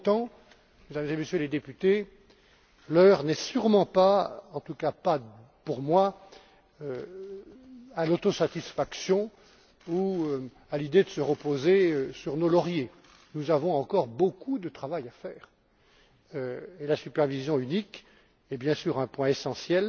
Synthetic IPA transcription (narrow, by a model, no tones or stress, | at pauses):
t̪ɑ̃ | med̪amzemesjøled̪epyt̪e | lœʁnɛsyʁmɑ̃paɑ̃t̪ukapa | puʁmwa | ø | alot̪osat̪isfaksjɔ̃ | uø | alid̪ed̪əsəʁəpozeøsyʁnolɔʁje | nuzavɔ̃ɑ̃kɔʁbokud̪ət̪χavajafɛːʁ | elasypɛʁvizjɔ̃ynik | ɛbjɛ̃syʁɛ̃pwɛ̃esɑ̃sjɛl